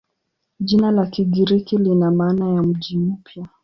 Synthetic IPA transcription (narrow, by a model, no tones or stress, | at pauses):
ʄinalakiɡiɾikilinamaːnajam̩ʄimm̩pja